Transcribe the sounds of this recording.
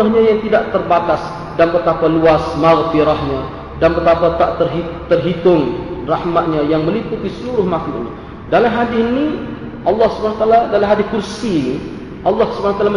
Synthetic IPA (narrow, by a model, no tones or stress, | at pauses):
aɦɲajaŋt̪idaʔt̪ərbat̪as | danpət̪apaluasmaɣfiɾahɲa | danpət̪apat̪aʔt̪ərɦit̪ərɦit̪ʊŋrahmat̪̚ɲajaŋməliput̪isəluɾʊhmaklʊ̰ʔɲa | dalamɦadiini | ʔɑlːɑhsu̥banaat̪aaladalamɦad̪ikursi | ʔɑlːɑhsubanawat̪alam